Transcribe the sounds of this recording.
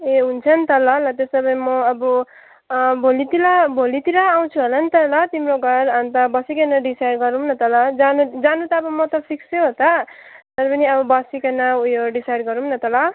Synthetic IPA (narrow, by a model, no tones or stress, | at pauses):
eɦunt͡sʰʌnt̪ʌlʌlʌt̪esʌbʌjmʌʌbʌ | bʱolit̪ilʌbʱolit̪iɾʌːw̃t͡sʰuɦʌlʌnt̪ʌlʌt̪imroɡʱʌɾant̪ʌbʌsikenʌɖisajrɡʌɾumnʌt̪ʌlʌd͡zanud͡zanut̪ʌːbʌmʌt̪ʌpʰiksoɦot̪ʌt̪ʌɾʌpʌniʌbʌbʌsikʌnʌujoɖisajrɡʌɾumnʌt̪ʌlʌ